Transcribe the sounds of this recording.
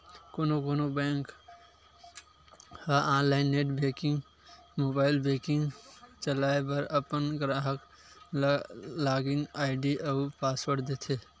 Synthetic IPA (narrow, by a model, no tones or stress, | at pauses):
koːnokoːnobɛ̃ːŋk | haʔãːnlaːɪnːeʈbekɪ̃ŋɡ | moːbaːɪlbeːkɪ̃ŋɡt͡ʃəlaːepəɾəpənɡɾaːɦək | laːɡinaːɪɖiʔəpaːswəɾd̪eːt̪ʰeː